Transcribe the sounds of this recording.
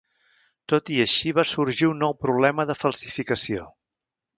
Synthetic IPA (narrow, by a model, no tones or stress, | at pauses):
t̪ot̪iəʃiβasuɾʒiunːɔwpɾuβlɛməðəfəlˠsifikəsio